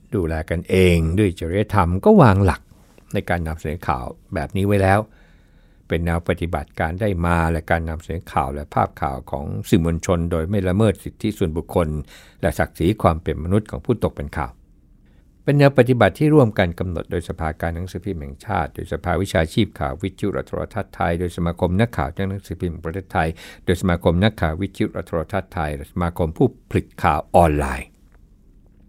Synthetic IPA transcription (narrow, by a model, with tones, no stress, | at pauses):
duː˧lɛː˧ka˧nʔeː˧ŋdu˥˩əjt͡ɕeː˧ɾa˦a˧˩t̪ʰa˧mkɔː˥˩waː˧ŋla˨˩k̚ | na˧jkaː˧nːa˧msa˧nɤː˨˩˦kʰa̰ː˨˩wbɛː˨˩p̚niː˦˥wa˦˥jlɛː˦˥w | pe˧nːɛː˧wpa˧˩t̪i˨˧˩ba̰˨˩t̪̚kaː˧ndaː˥˩jmaː˧lɛ˧˩kaː˧nːa˧msa˧nɤː˩˦kʰa̰ː˨˩wlɛ˦˥pʰa̰ː˥˩p̚kʰa̰ː˨˩wkʰɔ̰ː˩˦ŋsi˨˩mo˧nt͡ɕʰo˧ndoː˧jma˥˩jɾa˧mɤː˥˩t̪̚si˨˩t̪ʰːi˦˥su˨˩ənbu˨˩kʰːo˧n | lɛ̰˧˩sa˨˩k̚siː˩˦kʰwaː˧mpe˨nma˧nu˦˥t̪̚kʰɔː˩˦ŋpʰuː˥˩t̪o˨˩k̚pe˧nkʰa̰ː˨˩w | pe˧ndɛː˧wpa˨˩t̪i˨˧ba˨˩t̪ʰːiː˥˩ɾu˥˩əmka˧nka˧mno˨˩t̪̚doː˧jsa˧pʰaː˧kaː˧nːa˨˦˥ŋsɯː˨˩˦pʰi˧mhɛ̰˨˩ŋt͡ɕʰa̰ː˥˩t̪̚doː˧jsa˧pʰaː˧wi˦˥t͡ɕʰaː˧t͡ɕʰiː˥˩p̚kʰa̰ː˨˩wwi˦˥t̪ʰi˨ju˦˥ʔɾʔa̰˦˧t̪ʰːo̰˧ɾa̰˧t̪ʰaː˥˩t̪ʰːa˧jdoː˧jsa˧maː˧kʰo˧mna˦˥kʰːa̰ː˨˩wt͡ɕa˦˥k̚na˦˥ŋsɯː˨˩˦pʰi˧˩pɾt̪ʰeː˥˩t̪ʰːa˧jdoː˧jsa˧maː˧kʰo˧mna˦˥kʰːaː˨˩wi˦˥t̪ʰi˧ju˦˥ʔɾa̰˦˥t̪ʰːo˧a˧t̪ʰaː˥˩t̪ʰːa˧jlɛ˨˩sa˧maː˧kʰo˧mpʰuː˥˩pʰli˨˩t̪̚kʰːaː˨˩wʔɔː˧nlaː˧j